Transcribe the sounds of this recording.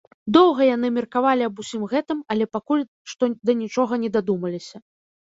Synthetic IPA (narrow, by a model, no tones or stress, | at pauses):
d̪ɔwɣɐjanɨmʲɛrkavalʲiɐbusʲimɣɛt̪ɨmɐlʲɛpakulʲ | ʂt̪ɔd̪ɐnʲit͡ʂɔɣɐnʲɛd̪ad̪umɐlʲisʲɐ